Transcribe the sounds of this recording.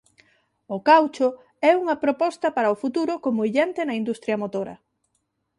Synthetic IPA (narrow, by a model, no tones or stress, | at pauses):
ʊkawt͡ʃʊ | ɛuŋɐpɾopɔst̪ɐpaɾɐʊfut̪uɾʊkomʊiʎɛnt̪enɐind̪ust̪ɾjɐmot̪oɾɐ̰